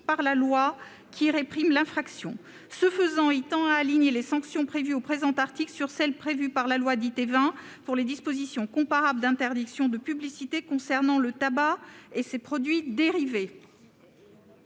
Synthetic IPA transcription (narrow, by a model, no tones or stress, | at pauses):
paʁlalwa | kʰʲiʁepχimlɛ̃fχaksjɔ̰̃ | səfəzɑ̃et̪ɑ̃aːliɲelesɑ̃ksjɔ̃pχevyopχezɑ̃t̪aʁt̪iklsyʁsɛlpχevypaʁlalwad̪it̪evɛ̃puʁled̪ispozisjɔ̃kɔ̃paʁabld̪ɛ̃t̪ɛʁd̪iksjɔ̃d̪əpyblisit̪ekɔ̃sɛʁnɑ̃lət̪abaesepχɔd̪ɥid̪eʁive